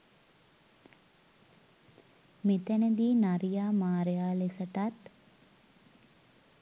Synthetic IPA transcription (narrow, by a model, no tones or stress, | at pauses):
mit̪ænəd̪iːnaɾijaːmaːɾejaːlesəʈat̪